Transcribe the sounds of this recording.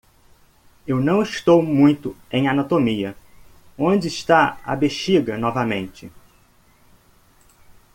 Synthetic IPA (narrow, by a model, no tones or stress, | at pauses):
ewnɐ̃w̃ɪʃt̪owmũj̃t̪ʊẽj̃anat̪omiɐ | õd͡ʒɪːʃt̪aɐ̰beʃiɡɐnɔvɐmẽnt͡ʃɪ